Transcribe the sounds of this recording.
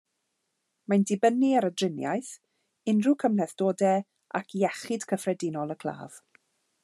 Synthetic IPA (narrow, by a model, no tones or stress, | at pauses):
majndɪbəniaɾədrɪnja̰jθ | ɪnrukʰəmlɛθd̥oːdɛ | ʔa̰kʰjɛχɪd̥kʰəfrɛdɪnɔlˠəkʰl̥ˠa̰ːv̥